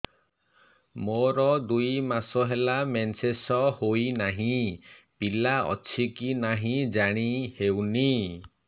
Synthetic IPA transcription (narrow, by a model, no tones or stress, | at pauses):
moɾɔd̪ujmasɔɦelamensesɔhoinaɦĩ | pilaɔ̰t͡ʃʰikinaɦĩd͡ʒaɽ̃ihewni